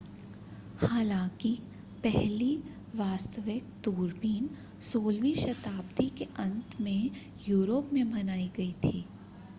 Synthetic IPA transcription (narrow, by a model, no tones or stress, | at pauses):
haːlãːki | pɛɦli | ʋaːst̪əʋɪk̚d̪uːɾbiːn | soːlʋiʃɐt̪aːb̚d̪ikeʔɐ̃nt̪mẽ | juːɾoːpmẽbɐnaːiɡɐit̪ʰiː